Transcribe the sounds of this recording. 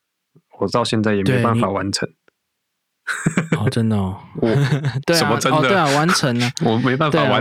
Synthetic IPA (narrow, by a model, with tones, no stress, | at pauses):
wɔ˨˩t̪ɑ˥˧ʊɕjɛ˥˧nt͡sa˥˩ɪjɛ˨˩me˧˥˩ɪpa˥˨nfa˨˩wa˧˦nt͡sʰə̰˧˦ŋ | ɔ˨˩ʈ͡ʂə˦nd̪ə˨˩ɔ˨˩t̪we˥˨sə˦məə˦nɔ˥˨td̪we˥˩a˨wa˧˦nt͡sʰə˧˥ŋə˧wɔ˨˩me˧˥ɪpa˥˨nt̪ea˨˩˨a˧˦